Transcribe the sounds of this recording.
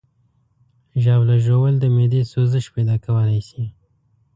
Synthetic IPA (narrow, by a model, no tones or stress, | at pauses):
ʒɑblaʒowəld̪əmed̪esozəʃpajd̪ɑkawəlajsi